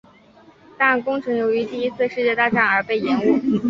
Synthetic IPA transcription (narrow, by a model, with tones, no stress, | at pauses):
t̪a˥˩nkʊ˥ŋʈ͡ʂʰɤ˧˥ŋjo˧˥ʊy˧˥t̪i˥˩i˥t͡sʰɹ̩˥˧ʂɻ̩˥˧t͡ɕjɛ˥˧t̪a˥˧ʈ͡ʂa˥˩nə˞˧˥pe˥˩ɪjɛ˧˥nu˥˩